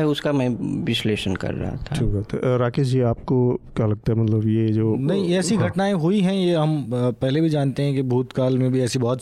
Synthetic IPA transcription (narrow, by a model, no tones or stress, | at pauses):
ɦɛʊskamɛ̃ːʋɪsleːʃənkɐ̰ɾːɐ̰ɦa̰t̪ʰaʈʰikbat̪ʰɾaːkesd͡ʒiːaːp̚kokjaːlɐɡ̚t̪aɦɛmɐt̪ləbjed͡ʒoːnɐɦĩɛːsiɡʱɐʈnaːẽɦuiɦɛ̃jeɦɐmpɛɦlebʱid͡ʒaːnt̪eɦɛ̃kibʱuːt̪kaːlmẽbʱiɛːsibɔɦt̪